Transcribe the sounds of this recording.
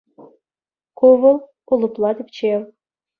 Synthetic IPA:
kuʋɤ̆lˠ | ulˠɤ̆plˠɑt̪ʲɘ̆pʲt͡ɕew

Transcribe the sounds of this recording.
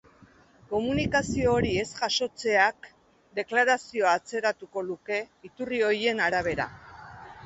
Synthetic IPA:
ko̞munikasio̞ːɾie̞sʝaʃo̞t͡se̞ak̚ | d̪e̞klaɾasio̞aːt͡se̞ɾat̪uko̞luke̞it̪urio̞je̞naɾaβ̞e̞ɾa̰

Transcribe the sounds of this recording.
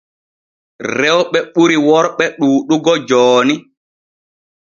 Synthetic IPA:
rɾɛwɓɛɓuɾiwɔɾɓɛɗuːɗuɡɔd͡ʒɔːni

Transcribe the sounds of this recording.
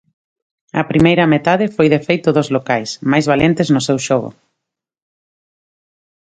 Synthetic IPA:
ɐ̰pɾimejɾɐmet̪aðɪfojðefejt̪ʊðozlokajsmajzβalent̪eznʊsewʃɔɣo̰

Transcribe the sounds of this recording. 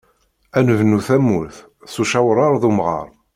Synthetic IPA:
ænəvnuθæmːuθ | suʃæwɾˤɑɾˤðumʁɑ̰ɾˤ

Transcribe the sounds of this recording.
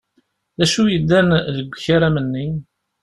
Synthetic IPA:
ðæʃujəd̪ːænðəɡʷəçaɾæmənːi

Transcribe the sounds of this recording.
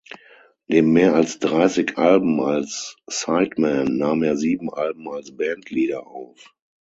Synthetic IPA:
neːmːeːɐalsd̥ʁaɪsɪkʔalbm̩alsːaɪtmɛnːaːmeːɐziːbm̩ʔalb̚m̩alsb̥ɛntʰliːdɐʔaʊf

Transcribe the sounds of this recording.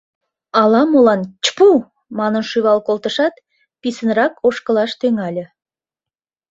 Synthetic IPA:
ɑlɑmolɑnt͡ɕə̥pu | mɑnənʃyβɑlkolt̪əʃɑt̪ | pisənrɑkʰoʃkəlɑʃt̪øŋɑlʲĕ

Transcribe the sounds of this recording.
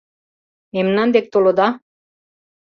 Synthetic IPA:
memnɑnd̪ek̚t̪olod̪ɑ

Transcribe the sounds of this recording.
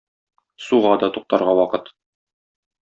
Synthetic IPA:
suʁɑd̪ɒt̪uq̚t̪ɑɾʁɑwɒqɤt̪

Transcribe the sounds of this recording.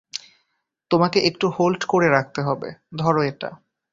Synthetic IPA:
t̪omakeʔekʈuholʈkoɾeɾak̚ʰt̪eɦɔbḛd̪ʱɔɾoeʈa̰

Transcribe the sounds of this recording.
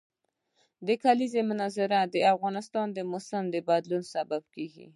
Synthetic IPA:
d̪əkalizemʊnɑzɪɾad̪əafɣɑnɪst̪ɑnd̪əmʊsɪmd̪əbad̪lunsabab̚keɡḭ

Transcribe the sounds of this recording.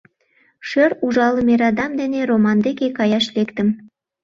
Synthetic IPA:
ʃøɾuʒɑləmeɾɑd̪ɑmd̪eneromɑnd̪ekekɑjɑʃlekt̪ə̆m

